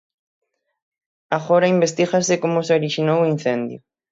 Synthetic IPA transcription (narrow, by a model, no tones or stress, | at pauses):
aɣoɾaimbest̪ixasɪkomʊseoɾiʃinowin̟θend̪jʊ